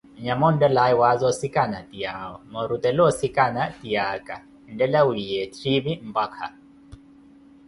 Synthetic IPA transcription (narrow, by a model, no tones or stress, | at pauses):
ɲamɔn̩dɛlaiwazɔsikʼanatiaɔmɔɾut̪ɛlɔsikʼanatiakʼa | ndɛlawijɛtʰɾiβim̩bakʰa̰